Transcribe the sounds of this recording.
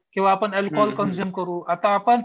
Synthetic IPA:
kĩw̃ʋaːpəɳelkɔlkənzuːmkəɾuːat̪aːpəɳ

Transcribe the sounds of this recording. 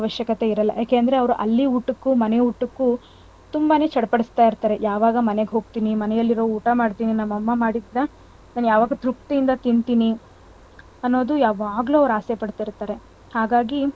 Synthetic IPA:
ɐʋɐʃjɐkɐt̪e̞iɾɐlːɐ̰jaːkeɐnd̪ɐɾeɐʋɐɾuʔɐ̰lːiuʈːukːumɐneuʈːukːu | t̪umbaːne̞ːt͡ʃɐɽpɐɽist̪aːjiɾt̪aːɾe̞jaːʋaːɡɐmɐneɡeɦo̞ːɡ̚t̪iːnimɐnɛjɐlːiɾoːuːʈamaːɖt̪iːninɐmːɐmːɐmaːɽid̪ːa | naːnujaːʋaːɡɐt̪ɾuk̚t̪ijind̪ɐt̪iɳt̪iːni | ɐnːo̞ːd̪ujaːʋaːɡluɐʋɐɾaːsepɐɽt̪iɾt̪aːɾe̞ | haːɡaːɡi

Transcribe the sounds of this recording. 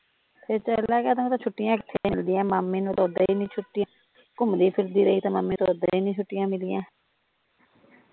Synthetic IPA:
pʰɪɾt͡ʃəlaːkɛːt̪ːũːt̪ãːt͡ʃʰʊʈːɪjãːəkt̪ʰːeːmɪld̪ɪjãːmaːmːiːnũːt̪oːd̪aːiːnĩːt͡ʃʰʊʈːɪjãː | kʊmd̪iːpʰɪɾd̪iːɾəiːt̪ãːmaːmːĩːt̪oːd̪ãːiːnĩːt͡ʃʰʊʈːɪjãːmɪliːjãː

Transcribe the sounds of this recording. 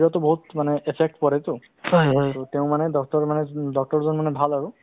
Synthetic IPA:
atʊbɔɦutmanɛʔepʰɛk̚tpɔɹajtʊ | ɔjɦɔjtɔteʊ̃manɛdɔk̚tɔɹmanɛdɔk̚tɔɹzɔnmanɛbʱalaɹu

